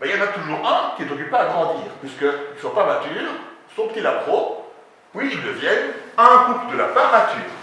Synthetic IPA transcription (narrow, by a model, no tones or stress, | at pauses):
bɛiljɑnat̪uʒuʁɛ̃kʲinɛt̪ɔkypeaɡʁɑ̃d̪ḭːʁpɥiskəilswapamat̪yːʁsofkilap̪χo | wiːld̪əvjɛnɛ̃kupld̪əla̰paʁmat̪y̰ːʁ